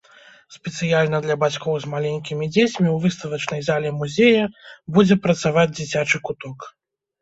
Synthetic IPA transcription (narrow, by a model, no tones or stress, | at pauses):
spʲɛt̪sɨjalʲnɐd̪lʲɐbat͡sʲkɔwzmalʲɛnʲkʲimʲid͡zʲet͡sʲmʲiwvɨst̪ɐvɐt͡ʂnɐjzalʲɛmuzʲejɐbud͡zʲɛpɾɐt̪savad͡zʲd͡zʲit͡sʲat͡ʂɨkut̪ɔk